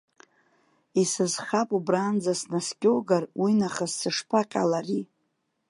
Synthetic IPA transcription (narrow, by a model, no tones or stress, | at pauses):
isɨzχapʼubrand͡zasnaskʲʼowɡarwʔinaχazsɨʂpʰaqʲʼa̰lari